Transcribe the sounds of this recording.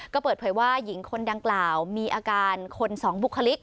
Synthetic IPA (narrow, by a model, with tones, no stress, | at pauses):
kɔː˥˩pɤː˨˩t̪̚pʰɤː˩˦jwaː˥˩ji˩˦ŋkʰo˧ndaː˧ŋklaː˨˩wmiː˧ʔaː˧kaː˧nkʰo˧nsɔː˩˦ŋbu˨˩kʰːa˧li˦˥k̚